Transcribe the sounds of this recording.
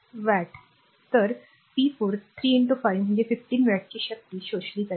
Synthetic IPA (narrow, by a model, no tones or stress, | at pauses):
ʋæʈ | t̪əɾ | piːpuːɾt̪ʰɾiːɪɳʈufajʋm̤ə̃ɳd͡ʑefifʈiːnʋæʈ̚t͡ɕiːɕək̚t̪iːɕoɕliːkə